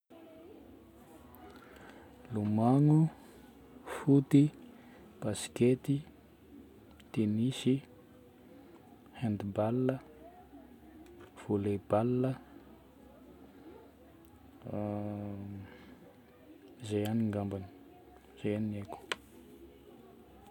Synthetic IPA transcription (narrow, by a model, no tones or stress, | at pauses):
lumaŋu | fut̪i | b̥asi̥ket̪i | t̪enisi | hand̪ibalːə | v̥oleb̥alːə | zejaniŋɡambani̥ | z̥ejanieku̥